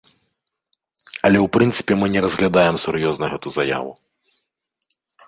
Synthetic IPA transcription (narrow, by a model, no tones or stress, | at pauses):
ɐlʲɛwpɾɨnt̪sɨ̥pʲɛmɨnʲɛɾɐzɣlʲad̪ajɛmsuɾjɔznɐɣɛt̪uzɐja̰vṵ